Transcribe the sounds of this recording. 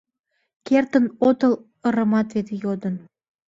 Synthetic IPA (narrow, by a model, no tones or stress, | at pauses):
kert̪ənot̪əl | əɾəmɑt̪vet̪ejod̪ən